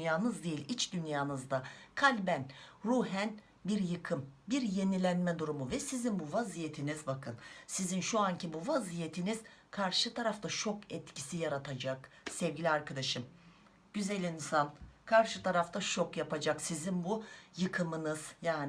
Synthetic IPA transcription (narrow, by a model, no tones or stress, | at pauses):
jaːnɯzd̪e̞jilʲit͡ʃd̪ynjaːnɯzd̪akʰalʲbænɾuːɦæn | biɾjɯkʰɯmbiɾje̞nilʲænmɛd̪uɾumuvɛsizinbuvazijet̪ʰinizbakʰɯnsizinʃuaɲcibuvazijet̪ʰiniz̥kʰaɾʃɯt̪ʰaɾaft̪ʰat͡ʃʰo̞kɛt̪ci̥sijaɾat̪ʰad͡ʒaksɛvɟilʲiaɾkʰad̪aʃɯm | ɟ̥yzɛlʲinsankʰaɾʃɯt̪ʰaɾaft̪ʰat͡ʃʰo̞kjapad͡ʒaksizinbujɯkʰɯmɯnɯz̥jaːn